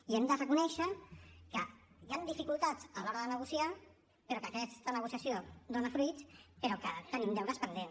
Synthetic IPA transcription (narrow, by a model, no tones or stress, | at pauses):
iɛmd̪ərəkunɛʃəkəjand̪ifikulˠt̪ad͡zəlɔɾəðənəɣusia | peɾɔkəkɛst̪ənəɣ̞usiasjod̪onəfɾuit̪peɾɔkət̪ənimd̪ɛwɾəspənd̪en